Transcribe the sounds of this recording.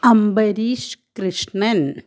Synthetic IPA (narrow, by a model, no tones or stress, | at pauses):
ɐmbɐɾiːʂkɾiʂɳɐn